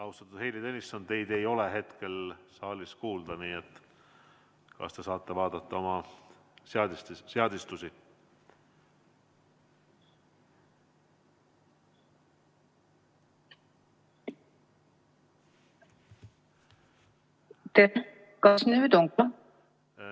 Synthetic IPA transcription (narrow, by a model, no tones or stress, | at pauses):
ɑwst̪ɑt̪ːˑud̪̥hejlid̪e̞nʲisːɑne̞jd̪̥e̞jo̞le̞ɦe̞t̪ke̞lsɑːlʲiskuːld̪̥ɑniːet̪ːˑ | kɑ̰st̪e̞sɑːt̪ːˑe̞vɑːd̪̥ɑt̪ˑːɑo̞mɑ | seɑd̪sseɑd̪ist̪usi | t̪e | kɑsnyːd̪oŋkɑ